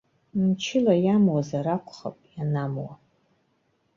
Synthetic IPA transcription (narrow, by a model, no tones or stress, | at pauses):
mt͡ʃʰɪlajamwazaɾakʷʰʼχa̰pʼjanamwa